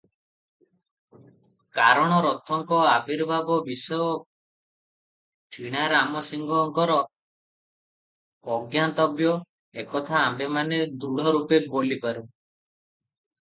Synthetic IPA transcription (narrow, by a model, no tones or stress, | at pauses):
kaɾɔɽ̃ɔɾɔt̪ʰːɔŋkɔabiɾbabɔbisɔjɔ | ʈʰiɽ̃aɾamɔsiŋɡɔŋkɔɾɔ | ɡjant̪ɔbjɔ | ekɔt̪ʰaːmbemaned̪uɽ̤ɔɾupebolipaɾu